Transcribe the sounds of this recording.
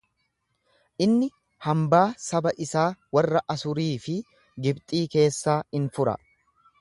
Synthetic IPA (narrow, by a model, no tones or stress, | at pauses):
ʔɪnːɪ | hɐmbaːsɐbɐʔɪsaːwɐrːɐʔɐsʊɾiːfɪ | ɡɪbt̪ʼiːke̞ːsːaːɪnfʊɾɐ̰